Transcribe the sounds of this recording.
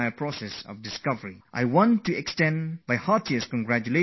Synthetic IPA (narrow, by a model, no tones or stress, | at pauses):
jpʰɹɔsɛsɔ̰fdɪskʌvəɹiʔa̰jwɔ̃ntuɛkstɛ̃nbajhatiəskɔ̃nɡɹæt͡ʃule